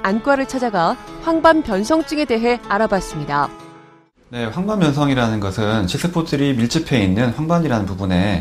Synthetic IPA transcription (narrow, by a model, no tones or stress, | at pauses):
ank͈waɾɯɭt͡ɕʰad͡ʑaɡaɸwaŋbampjʌnsʰʌŋt͡ɕ͈ɯŋe̞de̞ɦe̞aɾabas͈ɯmɲida | ne̞ɸwaŋbambjʌnsʰʌŋiɾanɯnɡʌsʰɯnt͡ɕʰis͈ʰɯpʰotʰɯɾimiɭt͡ɕ͈ʰɯpʰe̞inːɯnɸwaŋbaɲiɾanɯnpubune̞